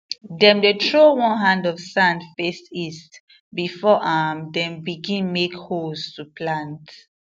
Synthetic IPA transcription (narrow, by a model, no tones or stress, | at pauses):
dɛ̃mdetʰɹowɔ̃nɦãndɔvsãndfestist | bifɔʔãmdɛ̃mbiɡĩnmekhostupʰlãnt